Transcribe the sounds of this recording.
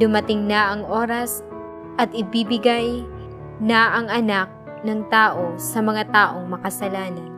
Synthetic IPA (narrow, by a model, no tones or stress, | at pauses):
d̪ʊmɐt̪ɪŋnɐʔɐŋʔo̞ːɾɐs | ʔɐt̪ʔɪbiːbɪɡaj | nɐʔɐŋʔɐnak̚ | nɐŋt̪aːʔo̞sɐmɐŋat̪aːʔo̞ŋmɐkɐsɐlaːnɐn